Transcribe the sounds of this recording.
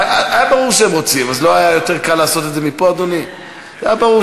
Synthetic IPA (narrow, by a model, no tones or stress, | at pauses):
aajabaʁuʁʃeemʁo̞t͡simazlo̞ajajot̪eʁkalːaːso̞t̪e̞d̪zemipoad̪oni | ajabaʁu